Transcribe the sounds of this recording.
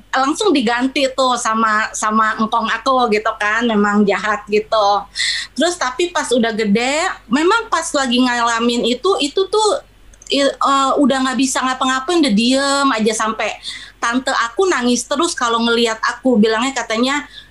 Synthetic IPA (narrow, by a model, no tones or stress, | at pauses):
laŋsʊŋdiɡant̪ɪt̪ʊhsamasamaŋkɔŋakoɡit̪ukanmemaŋd͡ʒaɦat̪̚ɡit̪ut̪əɾʊst̪apipasudahɡədɛmemaŋpaslaɡiŋalamɪnit̪uʔit̪ut̪ʊh | iəːudahŋaʔbisaŋapaŋapandadiəmad͡ʒasampɛt̪ant̪əʔakunaŋɪst̪əɾʊskaloŋəliat̪akubilaŋɲakat̪aɲa